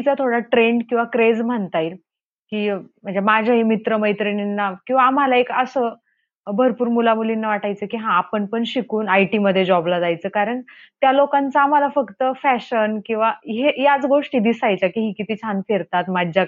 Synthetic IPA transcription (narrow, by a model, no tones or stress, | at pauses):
t͡sat̪ʰoɽaʈɾeɳɖkĩw̃ʋakɾed͡zm̤əɳt̪ajɾ | kiːm̤əɳd͡zamad͡ʑʱjaɦimit̪ɾəməjt̪ɾininːakĩw̃ʋaːm̤alaekəsəː | bʱəɾpuːɾmulamulinːaʋaʈajt͡səːkiɦãːpəɳpəɳɕikuːnajʈiməd̪ʱjed͡ʑɔblad͡zajt͡səːkaɾəɳ | t̪jalokant͡saːm̤alafəkt̪əfæɕənkĩw̃ʋaɦejat͡sɡoʂʈiːd̪isajt͡ɕjakiɦiːkit̪iːt͡ɕʰanfeɾt̪at̪mad͡ʑja